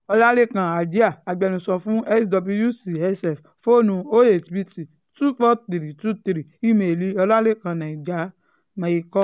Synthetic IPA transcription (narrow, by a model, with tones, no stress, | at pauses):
ɔ˧la˦le˦˨kã˨a˨d͡ʒi˦a˦˨a˨ɡ͡bɛ˨nũ˨sɔ˧fũ˦ɛ˦sdɔ˧bu˧ju˦si˨ɛ˦sɛ˨f | fo˦˨nũ˧o˦e˨ti˨bi˧ti˨ | tu˦fɔ˦ti˨ɾi˨tu˦ti˨ɾi˨i˦me˨li˧ɔ˧la˦le˦˨kã˨nã˨i˨d͡ʒa˨˦ | mã˨i˧kɔ˦